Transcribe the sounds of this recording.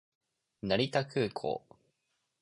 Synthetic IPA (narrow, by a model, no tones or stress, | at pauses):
naɾʲit̪akʰɯːkʰo̰ː